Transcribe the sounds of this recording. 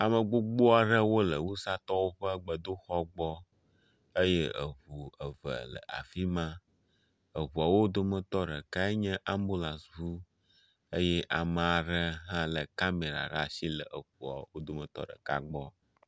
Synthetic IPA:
a˨mə˨ɡ͡bo˦ɡ͡bo˦a˨ɖə˦wo˦lə˨wu˦sa˦t̪ɔ˦wo˦ɸə˦ɡ͡bə˨d̪o˦xɔ˦ɡ͡bɔ˦ | ə˦je˦ə̰˨βu˨ə˨və̰˨lə̰˨ʔa̰˨fi˦mã˦ | ə˨βu˨a˨wo˦d̪o˦mə̃˦t̪ɔ˦ɖə˨ka˦e˦ɲɛ̃˦ʔa˦mbo˦la˨svu˦ | ə˦jɛ˦ʔa˨mə˨a˨ɖə˦ɦã˦lə˨ka˦me˨ɾa̰˨ɖa˨si˦lə˨ʔə˨ɸu˨a̰˨wo˦d̪o˦mə˨t̪ɔ̰˦ɖə̰˨ka̰˦ɡ͡bɔ˦

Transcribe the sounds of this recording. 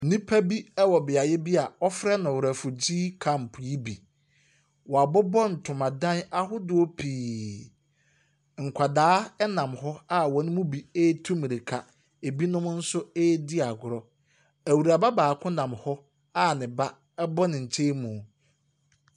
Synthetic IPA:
nĩ˦pʰa˦bi˦ɛ˦wɔ˨bɪ˨a˨jɛ˦bi˦a˨ɔ˦fɾɛ˦nʊ̃˨wʊ˨ɾæ˨fʊ˨d͡ʑi˦kʰã˨m̩˨pʰʊ˨ji˦bi˨ | wɔ˨a˨bʊ˦bɔ˦n̩˨tʰʊ̃˨mã˨dã˦na˦ɦʊ˦dʊ˦ɔ˦pʰiː˨ | ŋ̩˨kʷʰa˨daː˦ɛ˦nã˨mhɔ˦a˦wɔ˨˦nʊ̃˦mũ˦bi˨e˦tʰũ˦m˨ɾi˨kʰa˨ | e˨bi˦nʊ̃˦m˦n̩˦sʊ˦ɛː˦dɪ˦a˨ɡʊ˨ɾɔ˦ | æ˨wu˨ɾa˨ba˦baː˨kʰʊ̃˦nã˨mhɔ˦ | a˦˨nɪ̃˨ba˦ | ɛ˦bɔ˦nɪ̃˨ɲ̩˨t͡ɕʰe˦mũ˨

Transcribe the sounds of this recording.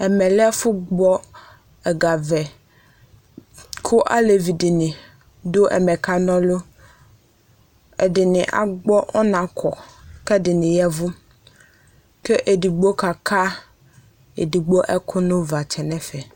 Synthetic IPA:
ɛ˨mɛ˨lɪ˦ɛ˦fʊ˦ɡ͡bɔ˦ | ɛ˨ɡa˨vɛ˨ | kʰʊ˦ʔa̰˦le˨vi˨dɪ˨nɪ̃˨ | dʊ˦ʔɛ̰˨mɛ˨kʰa˨nɔ̃˦lʊ˦ | ɛ̰˨dɪ˨nɪ̃˨ʔa̰˨ɡ͡bɔ˦ʔɔ˦nã˨kʰɔ˨kɛ˦dɪ˨nɪ̃˨jɛ˦vʊ˦ | kɛ˦ʔe˨di˨ɡ͡bo˦ka˨kʰa˦ | ḛ˨di˨ɡ͡bo˦ʔɛ˦kʰʊ˦nʊ̃˦va˨t͡ʃʰɛ˨nɛ̃˦fɛ˨

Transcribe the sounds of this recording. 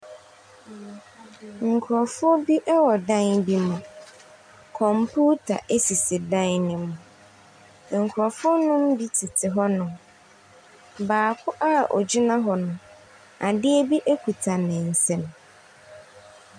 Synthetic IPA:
ŋ̩˨kʰʊ˨ɾɔ˨fʊ˦ɔ˦bi˦ʔɛ˦wɔ˨dã˦nbi˦mʊ̃˨ | kʰɔ̃˨m˨pʰu˦tʰa̰˨ʔe˦si˨sɪ˨dã˦n˦nɪ̃˨mʊ̃˨ | ŋ̩˨kʰʊ˨ɾɔ˨fʊ˦ʊ˦nʊ̃˦m̩˦bi˦tʰi˨tʰɪ˨ɦɔ˦nʊ̃˨ | baː˨kʰʊ˦ʔa˦˨ʔo˨d͡ʑi˦nã˦ɦɔ˨nʊ̃˨ | a˨dɪ˦e˦bi˦ʔe˦kʰu˨tʰa˨nɛ̃˨n̩˨sɛ̃˦˨m˨

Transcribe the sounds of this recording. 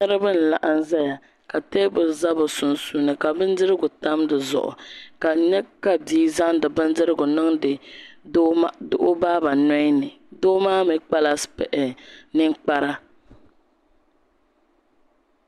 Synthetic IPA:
nɨ˦ɾɨ˦bɨ˦n̩˨la̰˨ʔa˨n˦za˦ja˨ | ka˨teː˦bɨ˨za˦bʊ˨sʊ˨nsu˦nɨ˨ka˨bɨ˦n˦dɨ˦ɾɨ˦ɡʊ˨ta˦mdɨ˨zʊ̰˨ʔʊ̰˨ka˨ɲɛ˦ka˨biː˦za˦ŋ˦dɨ˨bɨ˦n˦dɨ˦ɾɨ˦ɡʊ˨nɨ˦ŋdɨ˨ | dʊ˦ʔʊ˦baː˦ba˨nɔ˦i˦nɨ˨ | doː˦maː˦mi˨k͡pa˦la˦spɛ˨ʔɛ˨nɨ˦ŋ˦k͡pa˦ɾa˦

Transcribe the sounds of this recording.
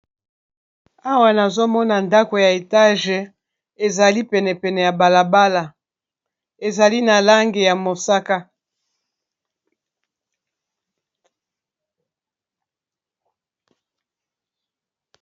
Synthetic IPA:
a˦wa˨na˨zo˦mɔ˦na˨nda˦ko˨ja˨e˨ta˦ʒe˨ | e˨za˨li˦pɛ˨nɛ˨pɛ˨nɛ˨ja˨ba˨la˨ba˦la˨ | e˨za˨li˦na˨la˦ŋɡe˨ja˨mo˨sa˦ka˦

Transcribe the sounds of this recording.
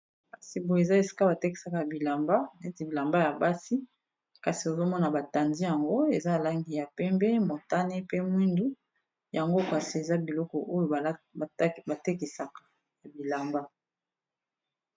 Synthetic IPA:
ka˨si˨bo˨e˨za˦e˨si̥˦ka˦ba˨te˦ki̥˨sa˨ka˨ja˨bi˨la˨mba˦ne˨˦ti˨bi˨la˨mba˦ja˨ba˦si˦ | ka˨si˨o˨zo˦mɔ˦na˨ba˨ta˨ndi˦ja˨ŋɡo˦e˨za˦˨la˦ŋɡi˨ja˨pɛ˦mbɛ˦mo˨ta˦ne˦pe˦mwi˦ndu˦ | ja˨ŋɡo˦ka˨si˨e˨za˦bi˨lɔ˦kɔ˨ʔo˦jo˨˦˨ba˨te˦ki˨sa˨kḁ˨ | ja˨bi˨la˨mba˦

